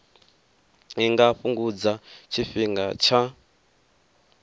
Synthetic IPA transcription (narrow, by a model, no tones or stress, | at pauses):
iŋɡaɸuŋɡud͡zat͡ʃʰiɸiŋɡat͡ʃʰa